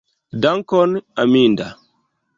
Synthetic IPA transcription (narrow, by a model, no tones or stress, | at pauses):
daŋkɔnaminda